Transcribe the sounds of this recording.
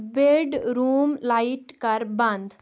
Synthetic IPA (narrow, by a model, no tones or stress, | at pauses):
beɖɾumlaiʈkaɾbãnd̪